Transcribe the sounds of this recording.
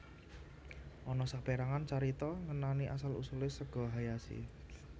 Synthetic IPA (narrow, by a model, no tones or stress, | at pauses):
ʔɔnɔsak̚peɾaŋant͡ʃaɾit̪ɔŋənaniʔasalṵsulɪsəɡ̥ɔ̤ɦajasḭ